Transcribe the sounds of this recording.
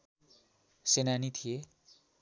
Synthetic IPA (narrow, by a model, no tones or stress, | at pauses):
senanit̪ʰije